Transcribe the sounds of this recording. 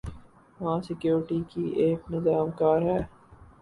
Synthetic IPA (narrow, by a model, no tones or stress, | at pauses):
ʋɐɦãsɪkjoːɾʈikiʔeːknɪzaːmkaːɾɦɛː